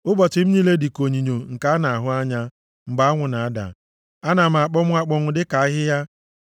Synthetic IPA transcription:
ʊ˦bɔ˨t͡ʃɪ˨m̩˦ɲi˦le˦di˨ko˨ɲi˨ɲo˨ŋ̩˨ka˦a˦na˨a˨ɦʊ˦a˦ɲa˦ | ŋ͡m̩˨ɡ͡ba˦a˦ŋʷʊ˨na˨a˦da̰˨ | a˦na˨m̩˨a˨k͡pɔ˦mʷ˦a˦k͡pɔ˦ŋʷʊ˦dɪ˦ka˨a˦ɦɪ˦ja˦

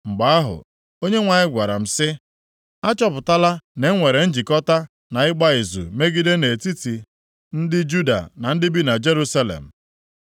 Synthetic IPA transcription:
ŋ͡m̩˨ɡ͡ba˨a˦ɦʊ̰˨ | o˦ɲe˦ŋʷa˨ɲɪ˦ɡʷa˨ɾa̰˨m̩˨sɪ˦ | a˦t͡ʃɔ˦pʊ˨ta˦la˦ne˨˦ŋʷe˨ɾe˨n̩˦d͡ʒi˨kɔ˦ta˦ | na˨ɪ˦ɡ͡ba˦ɪ˨zṵ˨me˦ɡi˦de˦ne˨ti˦ti˨ | n̩˦dɪ˦d͡ʒu˦da̰˨na˨n̩˦dɪ˦bi˦na˨d͡ʒe˦ɾu˦sa˦lḛ˨m̩˨

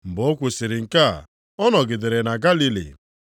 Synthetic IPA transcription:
m̩˨bɔ˨˦kʷʊ˨sɪ˨ɾɪ˨ŋ̩˨ka˦˨ | ɔ˦nɔ˨ɡɪ˨dɪ˨ɾe˨na˨ɡa˦li˦lḭ˨

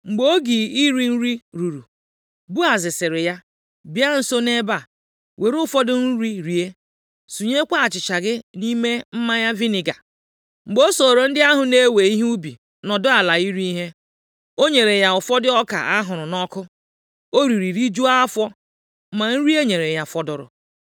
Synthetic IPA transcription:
ŋ͡m̩˨ɡ͡bo˦ɡi˨i˦ɾi˦n̩˦ɾi˦ɾu˨ɾu˨ | bu˦a˨zɪ˨sɪ˨ɾɪ˨ja˦ | bi˦a˦n̩˦so˦ne˦ba˨ | wʔe˨ɾʊ˦fɔ˦dʊ˦n̩˦ɾi˦ɾi˨e˦ | su˨ɲe˦kʷa˦a˨t͡ʃɪ˨t͡ʃa˨ɡɪ˦ni˦me˦m̩˦ma˦ja˦vi˦ni˨ɡa˨ | ŋ͡m̩˨ɡ͡bo˦so˨ɾo˨n̩˦dɪ˦a˦ɦʊ˨ne˦we˨i˦ɦu˦bi˨ | nɔ˨dʊ˦a˨la˨i˦ɾi˦ɦe˦ | o˦ɲe˨ɾe˨ja˨ʊ˨fɔ˦dɪ˦ɔ˦ka̰˨ʔa˦ɦʊ˨ɾʊ˨nɔ˦kʊ˦ | o˦ɾi˨ɾi˨ɾi˦d͡ʒu˦a˦fɔ˦ | ma˨n̩˦ɾi˦e˦ɲe˨ɾe˨ja˦fɔ˨dʊ˨ɾʊ̰˨

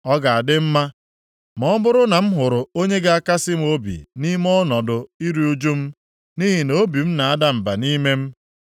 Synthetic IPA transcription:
ɔ˦ɡa˨a˨dɪ˦m̩˦ma˦ | mɔ˦bʊ˦ɾʊ˦na˨m̩˦ɦʊ˨ɾʊ˨o˦ɲe˦ɡa˦a˦ka˦sɪ˦m̩˦o˦bḭ˨ni˦m˦ɔ˦nɔ˨dʊ˨i˦ɾi˦u˦d͡ʒu˦m̩˦ | ni˦ɦi˨no˦bi˨m̩˦na˨a˦da˦m̩˨ba˨ni˦me˦m̩˦

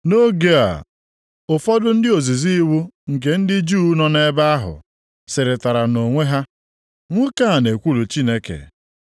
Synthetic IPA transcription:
no˦ɡe˦a̰˨ | ʊ˨fɔ˦dʊ˦n̩˦dɪ˦o˨zi˨zi˦wu˦ŋ̩˨k̬e˦n̩˦dɪ˦d͡ʒuː˦nɔ˦ne˦ba˦a˦ɦʊ̰˨ | sɪ˨ɾɪ˨ta˨ɾa˨no˨ŋʷe˦ɦa˦ | ŋʷe˦ka˦a˨ne˨kʷu˦lu˨t͡ʃi˦ne˦kḛ˨

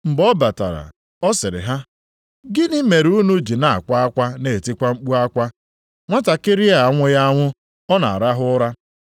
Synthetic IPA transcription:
ŋ͡m̩˨ɡ͡bɔ˦ba˨ta̰˨ɾa̰˨ | ɔ˦sɪ˨ɾɪ̰˨ɦa˦ | ɡɪ˦nɪ˦me˨ɾu˦nu˦d͡ʒi˨na˨a̰˨kʷa˦a˦kʷa˦ne˨tɪ˦kʷa˦ŋ͡m̩˦k͡pu˦a˦kʷa˦ | ŋʷa˦ta˨kɪ˦ɾi˦a˨˦˨ŋʷʊ˦ja˦ŋʷʊ˦ | ɔ˦na̰˨a˨ɾa˦ɦʊ˦ɾa˦

